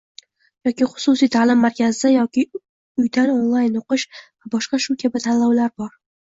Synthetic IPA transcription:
jɒkʲɪχʊ̥sʊsijt̪ʰaːlɪmːaɾkʲʰazɪajɒkʲɪ | ʊjd̪anonlˠajnoqɨʃvabɒʃqɑʃʊkʲʰabɪt̪ʰallːɒwlaɾbɒɾ

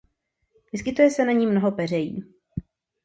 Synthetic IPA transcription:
vɪskɪt̪ujɛsɛnaɲiːmnoɦo̞pɛr̝ɛjḭː

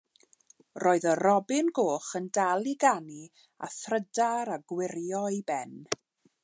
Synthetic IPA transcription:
roːɨðərɔbɪnɡoːχəndalˠiɡani | a̰θrədaɾaɡwɪɾjɔjbɛn

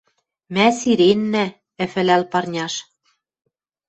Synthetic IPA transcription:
mæsiɾenːæ | ɘ̆fɘ̆lælpɑrnʲɑʃ

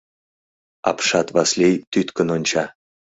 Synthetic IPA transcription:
ɑ̰pʃɑt̪βɑslʲejt̪yt̪kə̆nonʲt͡ɕɑ

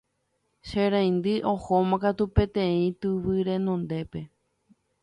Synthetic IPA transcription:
ʃeɾãj̃nd̪ɨʔo̞homãkat̪upẽ̞t̪ẽ̞ĩt̪ɨʋɨɾe̞nõ̞nd̪e̞pe̞

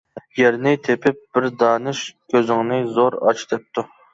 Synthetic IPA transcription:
jɛɾnɪt̪ʰepʰɪp̚b̥ɪɾd̪ɑːnɨʃkʲʰøzɪŋnɨzoɾɑ̰t͡ʃʰd̪ɛp̚t̪ʰu

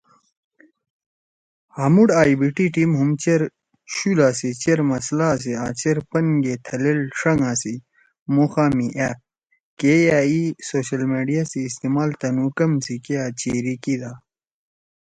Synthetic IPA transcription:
hamuɽaːibiʈiʈimɦumt͡ɕeɾ | ɕulaːsit͡ɕeɾmɐslaːs̬iaːt͡ɕeɾpɐnɡet̪ʰɐlelʂɐŋãsi | moxaːmiʔaːp̚ | keaːisoːɕɐlmeːɖijasiːst̪eːmaːlt̪ɐnuːkɐmsikeaːt͡ɕeːɾikid̪aː

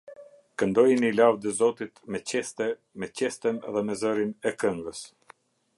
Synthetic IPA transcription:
kənd̪ɔjinilavd̪əzɔt̪it̪mɛt͡ɕɛst̪ɛ | mɛt͡ɕɛst̪ɛnðɛmɛzəɾinɛkəŋɡəs

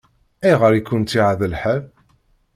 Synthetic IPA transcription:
æjʁəɾikːʊnt̪ːiʕaðəlħəð

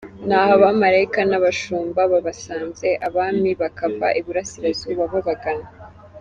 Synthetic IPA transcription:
nhaːhoβamaɾaikanaβaʃuːmbaβaβasaːnze̞ʔaβaːmiβakava̰ʔiβuɾasiɾaziβaβuɡaɡana

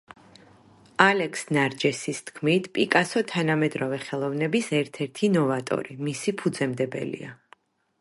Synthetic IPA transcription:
alɛkʰsnaɾd͡ʒɛsist̪ʰkʰmit̪ʰpʼikʼasɔt̪ʰanamɛd̪ɾɔvɛχɛlˠɔvnɛbisɛɾt̪ʰɛɾt̪ʰinɔvat̪ʼɔ̰ɾimisipʰud̪zɛmd̪ɛbɛ̰lḭa

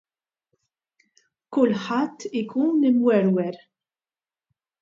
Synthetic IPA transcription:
kʊlːħɐt̪ːɪkuːnɪmwɛɾwɛɾ

